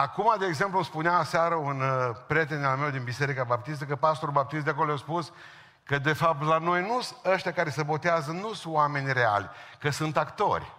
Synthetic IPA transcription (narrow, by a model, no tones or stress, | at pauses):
akumad̪eːɡze̞mpluspuneasaɾəunpɾʲjet̪̬enalmewd̪inbise̞ɾikabap̚t̪ist̪əkəpast̪oɾubap̚t̪is̬t̪d̪eakolojaspus | kəd̪e̞fap̚t̪lano̞jnusəʃt̪ejakaɾe̞səbo̞t̪eazənusuame̞nʲre̞a̰lʲkəsunt̪akt̪o̞̰rʲ